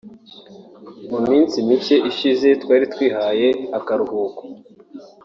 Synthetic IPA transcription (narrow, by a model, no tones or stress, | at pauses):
mumiːnt͡simit͡ʃe̞ʔiʃize̞twaːɾitwiːɦaje̞akaɾuhuːko̥